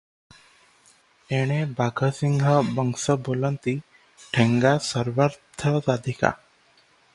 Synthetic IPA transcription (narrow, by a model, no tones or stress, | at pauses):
eɽ̃ebʱaɡʱəsiŋɦəbɔŋsəbolɔnt̪i | ʈʰeŋɡasəɾʋəɾt̪ʰət̪ad̪ʱika̰